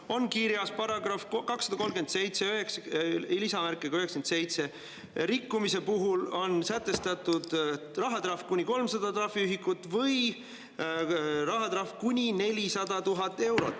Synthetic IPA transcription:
o̞nkiɾjɑspɑɾɑɡrɑfkkɑksːɑd̪ɑko̞lmɡend̪se̞jt̪seøɦeksilisɑmærkːˑeɡ̥ɑø̞ɦekskense̞jt̪se̞ | ɾikːumise̞puɦulo̞nsæt̪ːˑe̞st̪ɑt̪ud̪̥ | rɑɦɑt̪ɾɑfkunʲiko̞lmsɑd̪ɑt̪ɾɑfiyɦikut̪ːˑvɤj | rɑɦɑt̪ɑfkunʲine̞lʲisɑd̪ɑt̪uɦɑt̪ːˑe̞wɾo̞̰t̪ːˑ

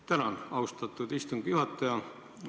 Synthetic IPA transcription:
t̪ænɑnɑwst̪ɑt̪ːˑud̪ist̪uŋɡ̥juhɑt̪ˑːɑjɑ

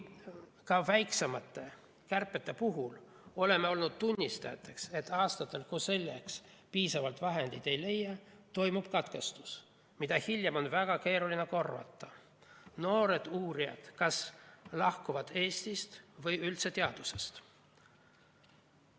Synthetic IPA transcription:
kɑvæjkse̞mɑt̪ːˑe̞ | kærpːˑe̞t̪ːˑe̞puɦul | o̞le̞mːe̞o̞lnud̪̥̚t̪unʲːist̪ɑjɑt̪ˑːe̞kse̞t̪ːˑɑːst̪ɑt̪ːˑelkuse̞lːe̞kspiːsɑvɑlt̪vɑɦe̞nd̪̥it̪e̞jle̞jːɑt̪o̞jmub̥kɑt̪ke̞st̪u̥s | mid̪̥ɑhilʲjemo̞nvæɡ̥ɑke̞ːɾulineko̞rːvɑ̰t̪ˑːɑ | no̞ːɾe̞d̪̥uːɾijɑ̰d̪̥kɑslɑhkuvɑd̪̥e̞ːst̪ist̪vɤjylt̪se̞t̪eɑd̪̥use̞st̪

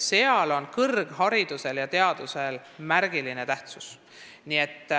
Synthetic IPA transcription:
se̞ɑlo̞nkɤrɡ̥hɑɾid̪use̞ljɑt̪e̞ɑd̪̥use̞l | mæɾɡ̥iline̞t̪æht̪sus | niet̪ː

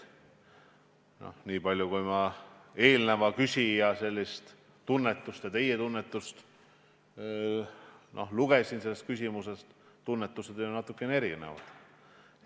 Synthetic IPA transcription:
no̰hniːpɑlʲjukujmɑe̞ːlnevɑkysʲijɑse̞lʲːist̪ | t̪ːunːet̪ːˑust̪jɑt̪e̞jet̪unːet̪ːˑust̪ | nʔo̞̰hluɡ̥e̞sinse̞lːe̞st̪̚kysʲimusest̪ | t̪unːet̪ːˑused̪jnɑt̪ːˑukːˑenee̞ɾinḛvɑ̰d̪̥

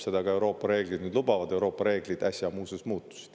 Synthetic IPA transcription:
sed̪ɑɡɑe̞wɾo̞ːpːˑɑɾe̞ːɡlid̪nyːd̪lubɑvɑd̪e̞wɾo̞ːpːˑɑɾe̞ːɡ̥lid̪æsʲjɑmuːsesmuːt̪ːˑu̥si̥d̥̪

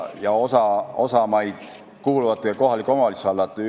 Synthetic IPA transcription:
jɑo̞sɑo̞sɑmɑjd̪̥ | kuːluvɑt̪ˑːejɑko̞ɦɑlikːˑo̞mɑlisɑlːɑt̪ːˑ

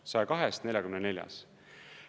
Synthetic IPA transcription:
sɑjkɑɦɛst̪ne̞lʲjɑkymnene̞lʲjɑ̰s

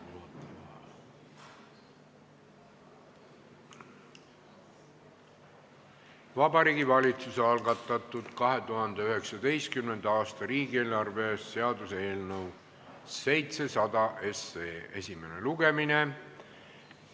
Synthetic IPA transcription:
vɑbɑɾiːɡivɑlʲit̪susɑlɡɑt̪ːˑɑt̪ːˑud̪̥kɑɦe̞t̪uɦɑnd̪̥eyɦe̞ksɑd̪e̞jst̪kymne̞nd̪̥ɑɑːst̪ɑɾiːɡ̥ie̞ːlɑrve̞se̞ɑd̪use̞ːlnɤw | se̞jt̪se̞sɑd̪̥ɑʔe̞seːe̞̰sʲime̞neluɡe̞mine̞

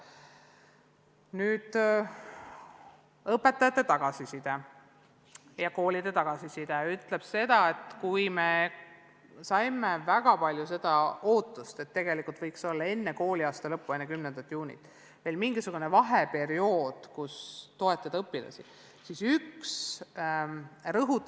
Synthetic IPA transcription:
nyːd̪̥ | ɤpːˑe̞t̪ːˑɑjɑt̪ːˑe̞t̪ɑɡ̥ɑsisid̪̥ɑ | jɑko̞ːlid̪̥e̞t̪ɑɡ̥ɑsisid̪̥ɑyt̪ːˑle̞b̥se̞d̪̥ɑe̞t̪kujme̞ | sɑjmevæɡ̥ɑpɑlʲjuse̞d̪̥ɑo̞ːt̪ːˑust̪e̞t̪ːeɡ̥e̞likˑult̪vɤjkso̞lːɑe̞nːe̞ko̞ːliɑːst̪ɑlɤpːuenːekymnend̪ɑt̪ːˑjuːnʲḭt̪ˑ | ve̞ːlmiŋɡ̥isuɡ̥une̞vɑɦe̞pe̞ɾio̞ːd̪̥kust̪o̞e̞t̪ːˑɑd̪ɤpːilɑ̰sḭ | sisyks | rɤɦu

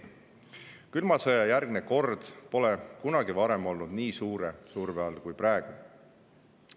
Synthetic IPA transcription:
kylmɑsejɑjærɡneko̞rd̪̥po̞lekunɑɡ̥ivɑɾe̞mo̞lnud̪niːsuːɾe̞suːɾveɑlkujpɾaeɡ̥u

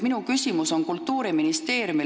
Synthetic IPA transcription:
minukysʲimuso̞nkult̪ːuːɾiminist̪e̞ːɾjumi

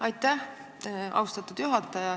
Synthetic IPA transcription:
ɑjt̪ːæh | ʔɑ̰wst̪ɑt̪ːˑud̪̥juɦɑt̪ːˑɑjɑ

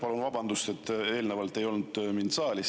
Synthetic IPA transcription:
pɑlunvɑbɑnd̪ust̪e̞t̪ːˑe̞ːlnevɑlt̪ːˑe̞jo̞lnud̪̥mint̪sɑːlʲis

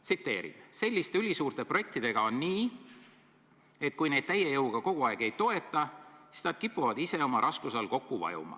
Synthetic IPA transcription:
t̪sit̪ːe̞̰ːɾḭmse̞lʲːist̪e̞ylʲisuːrt̪e̞proje̞k̚t̪id̪e̞ɡ̥ɑo̞nːiː | e̞t̪̚ːkujne̞jd̪̥t̪æjejɤwɡ̥ɑko̞ɡ̥uɑeɡ̥e̞jt̪o̞e̞t̪ˑːɑsi̥snɑd̪̥kipːuvɑd̪ise̞o̞mɑɾʔɑskuselko̞kːuvɑ̰jṵmɑ̰

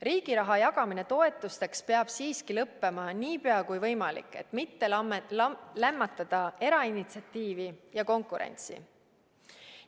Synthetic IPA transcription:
riːɡ̥iɾɑɦɑjɑɡ̥ɑmine̞t̪o̞e̞t̪ːˑust̪e̞kspeɑb̥siːskilɤpːe̞mɑniːpeɑkujvɤ̞jmɑlḭkːˑe̞̰t̪ːˑmit̪ːe | læmːɑt̪ːˑɑd̪̥ɑe̞ɾɑinit̪siɑt̪ːiːvijɑko̞ŋkuɾe̞̰nʲt̪sḭ

